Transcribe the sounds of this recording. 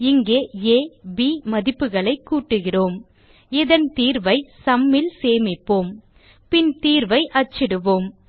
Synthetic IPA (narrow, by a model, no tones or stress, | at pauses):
ɪŋɡeːeːbiːmɐðɪpːɯɣɐɭɐɪkːuːʈːɯɣɪroːm | ɪðɐnt̪iːɾʋɐɪsɐmːɪlseːmɪpːoːm | pɪnt̪iːɾʋɐɪʔɐt͡ʃːɪɽɯʋoːm